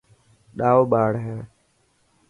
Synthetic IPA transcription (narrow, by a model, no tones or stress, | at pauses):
ɗaːoːɓaːɽɦɛː